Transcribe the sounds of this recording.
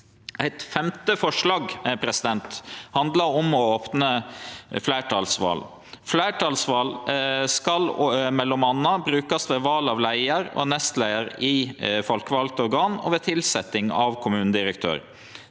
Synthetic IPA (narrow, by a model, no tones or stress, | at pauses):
ʔæɪt̪fɛmt̪əfɔʂlɑːɡpʰɾɛsɪd̪ɛnt̪hɑnd̪lɑɾɔmɔoːpnəflæːʈʰɑːlsʋɑ̰ːl | flæɪʈʰɑːlsʋɑːlskɑlmɛlːɔmɑnːɑbɾʉːkɑsʋeːʋɑːlɑʋlæɪəɾɔ̰nɛst̪læɪəɾɪfɔlkəʋɑlk̚t̪ɔɾɡɑːnɔ̰ʋeːt̪ʰɪlsɛt̪ːɪŋɑʋkʰʊmʉːnəd̪ɪɾəkt̪ʰø̰ːɾ